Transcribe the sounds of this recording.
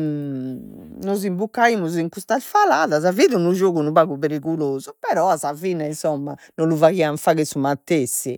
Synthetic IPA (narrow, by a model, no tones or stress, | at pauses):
nozimbukːaimuziŋkust̪aɛsfalaːðaz̬aviːðunud͡ʒoːɣunuβaɣuβeɾiɣuloːzupɛɾɔasaviːnainsɔmːanonluvaɣiaɱfaɣesumat̪ːesːi